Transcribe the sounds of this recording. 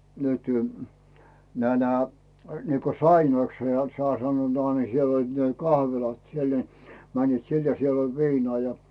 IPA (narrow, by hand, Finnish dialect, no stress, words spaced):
nytẙ næː næː niːko sɑinoikshɑ ne sŏɑˑ sɑnːoːt ni siel olʲ ne kɑhʋilɑt siel ni mænːiːt sin jɑ siel olʲ ʋiːnŏɑˑ jɑ